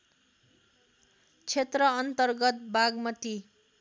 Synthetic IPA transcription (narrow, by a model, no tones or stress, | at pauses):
t͡sʰet̪rʌːnt̪ʌrɡʌt̪̚baɡmʌt̪i